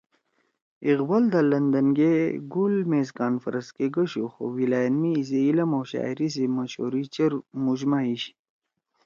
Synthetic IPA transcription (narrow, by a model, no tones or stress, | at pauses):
iɣbɐld̪alɐnd̪ɐnɡeɡulmeːzkaːnfɐɾɐskeɡɐɕoxo̰wilaːjɐnmiːs̬eilɐmowɕa̰ːjɾis̬emɐɕo̰ːɾit͡ɕɐɾmuʑmaiɕ